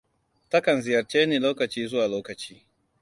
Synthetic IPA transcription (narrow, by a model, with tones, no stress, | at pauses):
tɐ˦kɐ˨nzɪ˨jɐ˨rt͡ʃeː˦niː˨loː˦kɐ˨t͡ʃiː˦zʊ˦waː˨loː˦kɐ˨t͡ʃiː˦